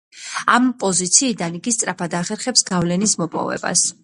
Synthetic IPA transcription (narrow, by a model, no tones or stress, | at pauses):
ampʼɔzit̪sʰiːd̪aniɡist̪sʼɾapʰad̪aχɛɾχɛpsɡavlɛnismɔpʼɔ̰vɛ̰ba̰s